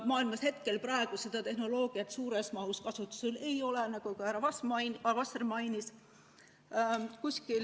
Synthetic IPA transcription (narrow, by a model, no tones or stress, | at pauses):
mɑːilmɑshet̪ke̞lpɾɑeɡ̥use̞d̪ɑt̪e̞ɦno̞lo̞ːɡ̥iɑt̪suːɾesmɑuskɑsut̪ːˑu̥sele̞jo̞lɛnɑɡ̥ukɑhæɾɑvɑsmvɑsrmɑjnis | kusʲkil